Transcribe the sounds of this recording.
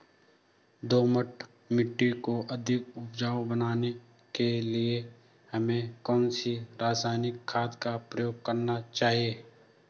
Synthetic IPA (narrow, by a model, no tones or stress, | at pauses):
d̪oːməʈʰ | mɪʈːikoʔɐd̪ʱɪkʊpd͡ʒaːbənaːne | kelie | hɐmẽkɔːnsiɾaːsaːɪnɪkʰːaːd̪kapɾəjoːɡ̚kɐɾnat͡ʃaːɦieː